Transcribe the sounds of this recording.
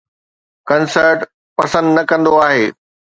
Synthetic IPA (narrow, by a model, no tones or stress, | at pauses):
kɐnsəɾʈ | pɐsə̃nd̪nɐkɐ̃nd̪oaːɦeː